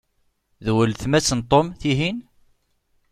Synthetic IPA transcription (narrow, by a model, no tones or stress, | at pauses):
ðwəlθmæt͡sːənt̪ˤomθiɦin